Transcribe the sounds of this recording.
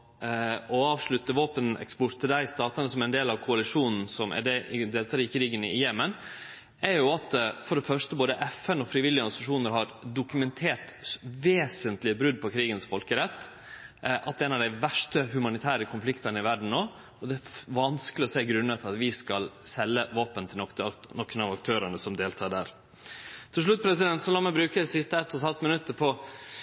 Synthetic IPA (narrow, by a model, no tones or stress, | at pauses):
ɔɑːʋʂɭʉt̪ːəʋoːpənʔɛ̰kspɔt̪ʰəd̪æɪst̪ɑːt̪ənəsɔmæɪnd̪eːlɑʋkʰʊɑlɪʂuːnn̩sɔmæ̰ɖɛɪd̪eːlt̪ʰɑːɾɪkʰɾiːɡənɪjɛmən | æɾjʊɑt̪fɔɖɛfœʂʈəboːd̪əʔɛfɛnɔfɾɪʋɪlːɪɔɾsʊɑʂuːnəɾɦɑɾdʊkʉmɛnt̪ʰeːɾt̪ʋeːsənt̪lɪəbɾʉd̪̚pʰɔkʰɾiːɡənsfɔlkəɾɛt̪ː | ʔɑt̪d̪ɛɛɪnɑʋd̪æɪʋæʂʈəɦʉmɑnɪt̪ʰæːɾəkʰʊnflɪkt̪ɑnəɪʋæɖɳ̩noː | ɔd̪ɛæʋɑnskəlɪɔseːɡɾʉnːət̪ʰɪlɑt̪ʋɪskɑlsɛlːəʋɑːpənt̪ʰɪlɔk̪ənɔkːənɑʋɑk̚t̪ʰøːɾəɳəsɔmd̪eːlt̪ʰɑːɖ̪æːɾ | t̪ʰɪlʂ̬ɭʉt̪̚ːpʰɾɛsɪd̪ɛnt̪sɔlɑːmɛɪbɾʉːkəd̪ɛsɪst̪əɛt̪ːɔt̪hɑlt̪mɪnʉt̪ːəɾpʰɔ